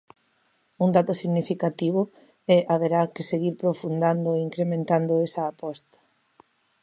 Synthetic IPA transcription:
und̪at̪ʊsiɣnifikat̪iβ̞ʊ | ɛʔaβ̞eɾakɪseɣiɾpɾofund̪and̪oeiŋkɾemẽnt̪and̪oɛsaːpɔst̪ḁ

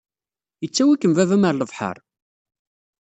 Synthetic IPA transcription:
jət͡sːæwikːəmvævæməɾləvħə̰ɾˤ

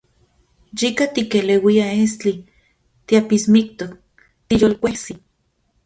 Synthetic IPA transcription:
jikat̪ikelewiaest͡ɬi | t̪iapismik̚t̪ok̚ | t̪ijolkʷehsi

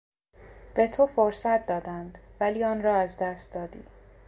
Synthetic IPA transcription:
b̥e̞t̪ʰofoɾsæt̪̚ʰd̪ɒːd̪ænd̪væliːɒːnɾɒːæzd̪æst̪̚d̪ɒːd̪iː

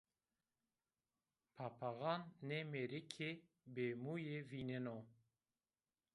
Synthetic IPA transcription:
pʰapʰaɣɑːnːemeɾikʰe | beːmuːjeviːnɪno

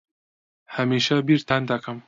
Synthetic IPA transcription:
hɐmiʃɐbiɾt̪ʰand̪ɐkʰɐm

